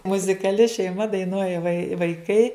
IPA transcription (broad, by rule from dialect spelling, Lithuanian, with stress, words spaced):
mʊzʲɪkɐˈlʲɪ ʃʲɛɪˈmɐ dɐɪˈnuɔjɛ ʋɐɪ ʋɐɪˈkɐɪ